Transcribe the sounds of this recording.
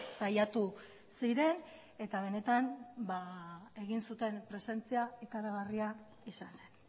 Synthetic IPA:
sajat̪u | siɾe̞n | e̞t̪aβ̞e̞ne̞t̪anbae̞ɣ̞insut̪e̞npɾe̞se̞nt͡siaekaɾaɣaria | isanse̞n

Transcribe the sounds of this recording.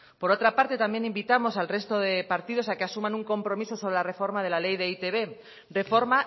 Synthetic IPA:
poɾo̞t̪ɾapaɾt̪e̞t̪ambje̞nĩmbit̪amo̞salre̞st̪oðe̞paɾt̪iðo̞sakeasumãnuŋko̞mpɾo̞miso̞so̞β̞ɾelare̞fo̞ɾmað̞e̞lale̞jðeit̪eβe̞ | re̞fo̞ɾma

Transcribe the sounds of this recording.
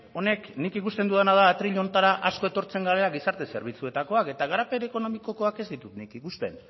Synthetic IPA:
o̞ne̞knikikust̪e̞nd̪uðanaðaːt̪ɾiʎo̞nt̪aɾaʔasko̞e̞t̪o̞ɾt͡se̞ŋɡaɾeaɡisaɾt̪e̞se̞̰ɾβ̞it͡sue̞t̪ako̞ake̞t̪aɣaɾape̞ɾko̞no̞miko̞ko̞ake̞zd̪it̪ut̪nikikust̪e̞n

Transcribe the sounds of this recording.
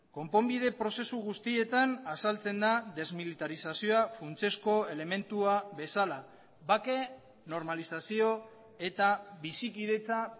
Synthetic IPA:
ko̞mpo̞mbið̞e̞pɾo̞se̞suɣ̞ust̪ie̞t̪anasalt͡se̞nd̪aðe̞zmilit̪aɾisasio̞afunt͡se̞sko̞e̞le̞me̞nt̪uaβe̞sala | βake̞ | no̞ɾmalisasio̞ | e̞t̪aβisikið̞e̞t͡sa

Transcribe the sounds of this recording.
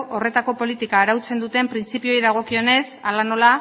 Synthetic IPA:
o̞re̞t̪ako̞po̞lit̪ikaːɾawt͡se̞nd̪ut̪e̞mpɾint͡sipio̞jðaɣ̞o̞kio̞ne̞salano̞la

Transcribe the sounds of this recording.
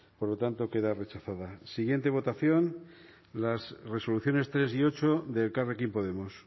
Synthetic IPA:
po̞ɾlo̞t̪ant̪o̞ke̞ðare̞t͡ʃaθaðasiɣje̞nt̪e̞β̞o̞t̪aθjo̞n | lasre̞so̞luθjo̞ne̞st̪ɾe̞sio̞t͡ʃo̞ðe̞lkarekimpo̞ð̞e̞mos

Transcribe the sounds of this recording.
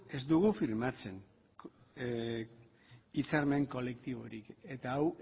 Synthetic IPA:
e̞zd̪uɣufiɾmat͡se̞n | it͡saɾme̞ŋko̞le̞kt̪iβ̞o̞ɾike̞t̪aːw

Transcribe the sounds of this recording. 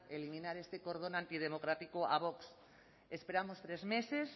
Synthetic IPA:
elimĩnaɾe̞st̪e̞ko̞ɾð̞o̞nãnt̪ið̞e̞mo̞kɾat̪ikoaβ̞o̞ks | espe̞ɾamost̪ɾe̞zme̞se̞s

